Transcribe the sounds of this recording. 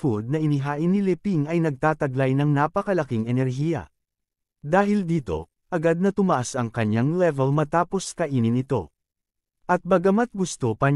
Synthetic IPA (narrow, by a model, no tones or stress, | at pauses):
fud̪̚nɐʔɪnɪɦaːʔɪnɪlɛpiŋɐjnɐɡ̚t̪aːt̪ɐɡlajnɐŋnapɐkɐlɐkiŋɛnɛɾɦiːjɐ̰ | d̪aːɦɪld̪iːt̪o̞̰ | ʔɐɡad̪̚nɐt̪ʊmɐʔasɐŋkɐɲːaŋlɛvɛlmɐt̪aːpo̞skɐʔiːnɪnɪt̪o̞̰ | ʔɐt̪̚bɐɡɐmat̪̚ɡʊst̪o̞pɐ